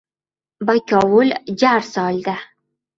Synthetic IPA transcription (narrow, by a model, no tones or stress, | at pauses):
bakʲɑwʊld͡ʒaɾsɑld̪a